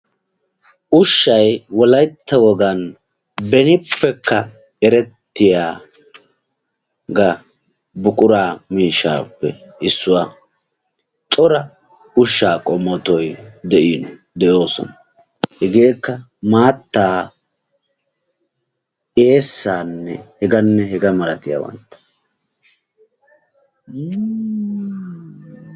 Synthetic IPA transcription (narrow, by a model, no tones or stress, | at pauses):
ʔʊʃːɐjwɔlɐjt̪ːɐwɔɡɐn | bɛnɪpːɛkʰːɐ | ɛɾɛt̪ːɪjaː | ɡɐ | bʊkʼʊɾaːmiːʃːa̰ːpːɛ̰ɪsːʊwa | t̪ʼɔɾɐ | ʊʃːaːkʼɔmːɔt̪ɔjd̪ɛʔiːnɔ | d̪ɛjo̞ːsɔ̰nɐ | hɛɡe̞ːkːɐ | maːt̪ːaː | eːsːaːnːɛ̰hɛɡɐnːɛɦɛɡɐmɐɾɐt̪ɪjɐ̰wɐ̰nt̪ːɐ̥